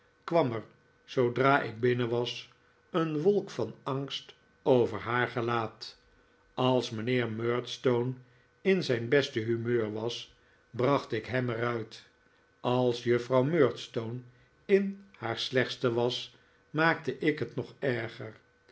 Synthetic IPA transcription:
kʋɑməɹ | z̥owdraːʔɪ̰ɡ̚bɪnəʋɑs | ənʋolˠkfɑnɑŋst | owvəɹɦaːɹχəlaːt | ɑlˠsmənɪːɹmøːɹtstown | ɪnzɛjnbɛstəɦymøːɹʋɑs | brɑχtɪkɦɛmɛrœɥt | ɑlˠsjɵfrɑwmøːɹtstown | ɪnhaːɹslɛχstəʋɑs | maːk̚təʔɪkɦətnɔχɛɹχər

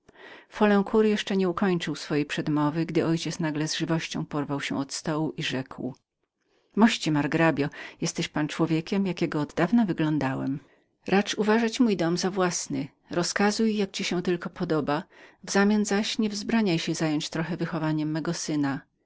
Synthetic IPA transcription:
fɔlɛ̃w̃kʰuɾjɛʂt͡ʂɛɲɛukʰɔɲt͡ʂɨwsfɔjejpʂɛd̪mɔvɘɡd̪ɘɔjt͡ɕɛt̪snaɡlɛzʐɘvɔɕt͡ɕɔ̃w̃pɔɾvawɕɛ̰̃ɔt̪st̪ɔwuʔiʐɛkw | mɔɕt͡ɕimaɾɡɾabʲjɔjɛst̪ɛɕpant͡ʂwɔvʲjɛkʲɛmjakʲɛɡɔːd̪d̪avnavɘɡlɔnd̪awɛ̰m | ɾʔat͡ʂuvaʐat͡ɕmujd̪ɔmzavwasnɘ | ɾɔskazujːak̚t͡ɕiɕɛ̃t̪ɘlkɔpɔd̪ɔbavzamʲjanzaɕɲɛvzbɾaɲajɕɛzajɔɲt͡ɕt̪ɾɔxɛvɘxɔvaɲɛmːɛɡɔsɘna

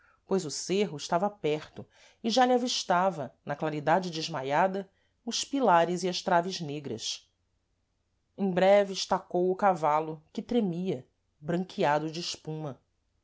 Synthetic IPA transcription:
pojzʊseɦʊɪʃt̪avɐapɛχt̪ʊ | ɪʒaliaviʃt̪avɐnɐklaɾid̪ad͡ʒɪd͡ʒɪʒmajad̪ɐ | ʊʃpilaɾɪziɐʃt̪ɾavɪzneɡɾɐ̰s | ẽj̃bɾɛvɪʃt̪akowʊkavalʊkɪt̪ɾemiɐ | bɾɐ̃ŋkʰiad̪ʊd͡ʒɪːʃpũmɐ

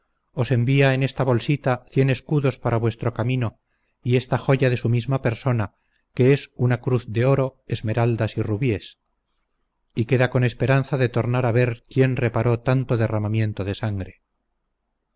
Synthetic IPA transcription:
o̞se̞mbiaene̞st̪aβo̞lsit̪aθje̞ne̞skuðo̞spaɾaβwe̞st̪ɾo̞kamĩno̞ | ie̞st̪axo̞ʝaðe̞sumizmape̞ɾso̞na | ke̞esunakɾuθðe̞o̞ɾo̞ezme̞ɾald̪asiruβje̞s | ike̞ðako̞ne̞spe̞ɾan̟θaðe̞t̪o̞ɾnaɾaβe̞ɾkje̞nre̞paɾo̞t̪ant̪o̞ðe̞ramamje̞nt̪oðe̞saŋɡɾe̞

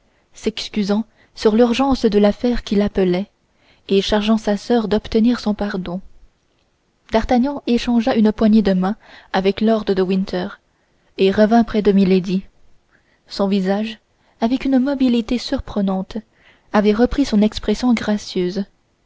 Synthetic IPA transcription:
sɛkskʲyzɑ̃ | syʁlyʁʒɑ̃sd̪əlafɛʁkʲilapəlɛ | eʃaʁʒɑ̃sasœʁd̪ɔpt̪əniːʁsɔ̃paʁd̪ɔ̃ | d̪aʁt̪aɲjɑ̃eʃɑ̃ʒaʔynəpwaɲed̪əmɛ̃avɛklɔʁd̪əd̪əwĩnt̪ʰœʁ | eʁəvɛ̃pχɛd̪əmiled̪i | sɔ̃vizaʒ | avɛkynmɔbilit̪esyʁpχənɑ̃t̪ | avɛʁəpχisɔ̃nɛkspχɛsjɔ̃ɡʁasjøːz

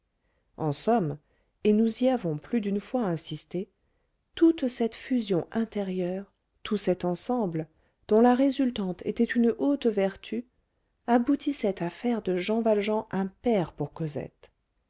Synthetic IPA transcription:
ɑ̃sɔm | enuziavɔ̃plyd̪ynfwaɛ̃sist̪e | t̪ut̪sɛt̪fyzjɔ̃ʔɛ̃t̪eʁjœʁ | t̪ʰusɛt̪ɑ̃sɑ̃blə | d̪̥ɔ̃laʁezylt̪ɑ̃t̪ʰḛt̪ɛt̪ynot̪vɛʁt̪ʰy | abut̪ʰisɛt̪afɛʁd̪əʒɑ̃valʒɑ̃ʔɛ̃pɛʁpuʁkɔzɛ̰t̪

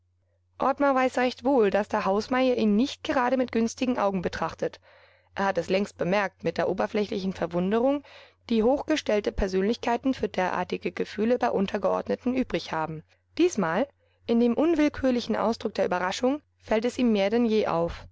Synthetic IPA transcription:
ʔɔɐtmɐvaɪsʁɛçtv̥oːldasd̥eːɐɦaʊsmaɪɐʔiːnːɪçt̚ɡ̥əʁaːɾəmɪt̚ɡ̥ʏnstɪɡŋ̩ʔa̰ʊɡŋ̩bətʁ̥aχtət | ʔeːɐhatɛslɛŋst̚b̥əmɛɐk̚tmɪt̚d̥eːɐʔoːbɐflɛçlɪç̬n̩fɛɐvʊndəʁ̞ʊŋ | d̥iːhoːxɡ̥əʃtɛltəpʰɛɐzøːnlɪçkʰaɪtn̩fyːɐdeːɐʔa̰ːɐtɪɡəɡəfyːləbaɪʔʊntʰɐɡəʔɔ̰ɐdnətn̩ʔyːbʁɪçhaːbm̩ | d̥iːsmaːl | ʔɪndeːmʔʊnvɪlkʰyːɐlɪçn̩ʔa̰ʊsd̥ʁʊk̚d̥eːɐʔyːbɐʁaʃʊŋ | fɛltɛsiːmːeːɐdɛnjeːʔa̰ʊf

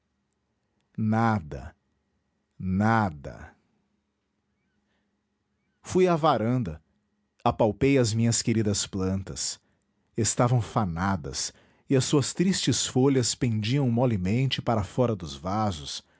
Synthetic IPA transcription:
nad̪ɐ̰ | nad̪ɐ̰ | fujavaɾɐ̃nd̪ɐ | apawpejɐzmĩɲɐskeɾid̪ɐsplɐ̃nt̪ɐs | est̪avɐ̃w̃fanad̪ɐ̰s | ɪɐsuɐst̪ɾist͡ʃɪsfoʎɐspẽnd͡ʒiɐ̃w̃mɔlimẽnt͡ʃɪpaɾɐfɔɾɐd̪ʊzvazʊs

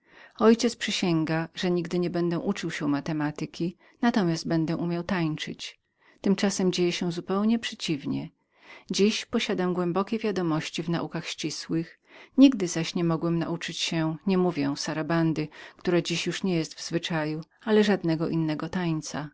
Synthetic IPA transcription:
ɔjt͡ɕɛt̪spʂɘɕɛŋɡaʐɛɲiɡd̪ɘɲɛbɛnd̪ɛʔut͡ʂɘwɕɛumat̪ɛmat̪ɘkʲi | nat̪ɔmʲjasd̪̚bɛnd̪ɛʔumʲjawt̪ajt͡ʂɘt͡ɕ | t̪ɘmt͡ʂasɛmd͡ʑejɛɕɛzupɛwɲɛpʂɛt͡ɕivɲɛ̰ | d͡ʑiɕpɔɕad̪amɡwɛmbɔkʲevʲjad̪ɔmɔɕt͡ɕivna̰ʔukaxɕt͡ɕiswɘx | ɲiɡd̪ɘzaɕɲɛmɔɡwɛmna̰ʔut͡ʂɘt͡ɕɕɛɲɛmuvʲjɛ̃saɾaband̪ɘkt̪uɾad͡ʑiɕjuʂɲɛjɛst̪vzvɘt͡ʂaju | alɛʐad̪nɛɡɔʔinːɛɡɔt̪ajt̪sa

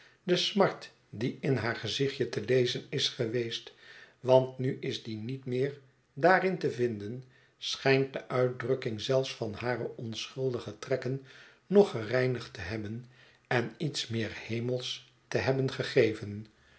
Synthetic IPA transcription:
dəsmɑɹt | diɪnɦaːɹχəzɪχjətəlejzənɪsχəʋejstʋɑntnyʔɪzdinitmɪːɹ | daːrɪntəvɪndən | sχɛjnt̚dəʔœɥt̚drɵkɪŋzɛlˠfsfɑnhaːɾəʔɔnsχɵlˠdəχətrɛkən | nɔχərɛjnəχtəɦɛbən | ɛnitsmɪːɹhejməlˠs | təɦɛbənχəχejvən

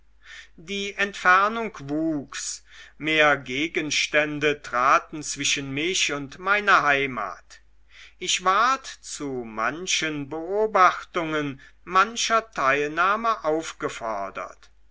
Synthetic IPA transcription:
diːʔɛntfɛɐnʊŋkvuːksmeːɐɡeːɡənʃtɛndətʁ̥aːtn̩t͡sv̥ɪʃənmɪɕʊntmaɪnɐɦaɪma̰ːt | ʔɪçv̥aɐtt͡suma̰nʃənbəʔoːbaxtʊŋən | manʃɐtʰaɪlnaːməʔaʊfɡ̥əfɔ̰ɐdɐ̰t

